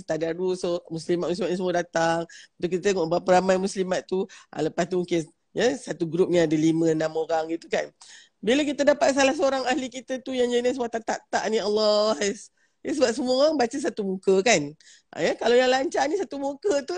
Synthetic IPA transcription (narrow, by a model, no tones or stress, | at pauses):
st̪adadusomuslimat̪̚muslimaʔ̪̚nisəmuadat̪aŋət̪ukit̪ət̪eŋɔʔbəapəɾamajmuslimat̪t̪uʔa̰ləpast̪umuke | jəsat̪uɡɾup̚niadəlimə̃nãmoɾaŋɡit̪ukan | bilək̬it̪ədapat̪̚salahs̬əoɾaŋahlikit̪ət̪ujaŋd͡ʒənəsəmuat̪at̪aʔt̪aʔnialːɔhs | jəs̬əbap̚s̬əmuabat͡ʃəs̬at̪umukəkan | ʔa̰jəkalajaŋlaɲt͡ʃanisat̪umukət̪u